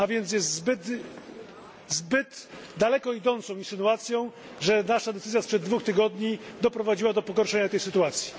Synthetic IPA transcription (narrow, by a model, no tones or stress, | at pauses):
avʲjɛnt̪s̬jɛst̪zbɘt̪ | zbɘt̪ | d̪alɛkɔid̪ɔnt̪sɔ̃w̃ĩnsɘnuat̪sʲjɔ̃w̃ | ʐɛnaʂad̪ɛt̪sɘzjaspʂɛd̪̚ːvuxt̪ɘɡɔd̪ɲid̪ɔpɾɔvad͡ʑiwad̪ɔpɔɡɔɾʂɛɲat̪ɛjsɘt̪uat̪sʲji̥